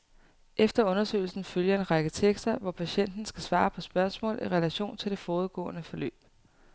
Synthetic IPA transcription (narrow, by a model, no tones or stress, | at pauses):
ʔefd̥ɐɔ̽nɐsø̰ɪl̩sn̩føljɐe̝nʁɑ̈ɡ̥ət͡sʰeɡ̥sd̥ɐʋɒpʰæɕen̰d̥n̩sɡ̥æsʋɑ̈ːpʰɒ̽sb̥ɶɐsmɔ̰̽ːliʁɛlæɕo̝̰ːnt͡sʰe̝ld̥e̝fɒːð̞̩ˠɡ̥ɔ̰̽ːʊnəfɒ̽lø̰ːb̥̚